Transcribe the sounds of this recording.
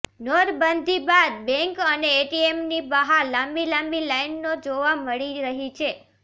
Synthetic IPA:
nɔɾbənd̪ʱibad̪̚bɛ̃ŋkəneːʈiemnibəɦaɾlãmbilãmbilainːod͡ʒoʋaməɭiɾəɦit͡ʃʰe

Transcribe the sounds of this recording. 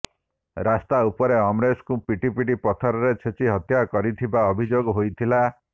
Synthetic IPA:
ɾast̪aupɔɾeɔmɾeskupiʈipiʈipɔt̪ʰɔɾɔɾet͡ʃʰet͡ʃiɦɔt̪jakɔɾit̪ʰibaɔbʱid͡ʒoɡɔɦojt̪ʰila

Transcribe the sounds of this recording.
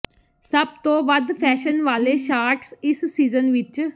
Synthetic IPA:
səb̚t̪õːʋəd̪pʰɛːʃənʋaːleːʃaːɾʈsɪsːiːzənʋɪt͡ʃ

